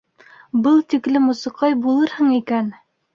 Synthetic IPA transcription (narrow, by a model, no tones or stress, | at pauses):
bɤlˠt̪iklɘmusɤ̆qɑjbulˠɤɾhɤɴikæn